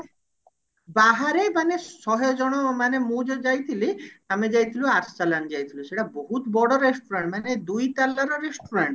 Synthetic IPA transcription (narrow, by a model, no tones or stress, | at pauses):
baɦaɾemaneʃɔɦed͡ʑɔnomanemũd͡ʑod͡ʑajt̪ʰiliamid͡ʑajt̪ʰiluaɾst͡ɕaland͡ʑajt̪ʰiluʃeʈaboɦut̪bɔɽoɾesʈuɾeɳʈmaned̪ujt̪alːaɾoɾesʈuɾeɳʈ